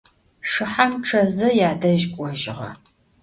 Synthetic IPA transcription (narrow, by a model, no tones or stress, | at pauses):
ʂɨħamʈ͡ʂʰɐzɐjaːdɐʒkʷʼɔʒɪʁɐ̰